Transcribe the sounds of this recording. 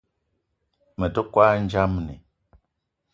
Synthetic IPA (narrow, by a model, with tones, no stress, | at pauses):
mə˨də˦kwa˦n˦d͡ʒa˦mnḭ˨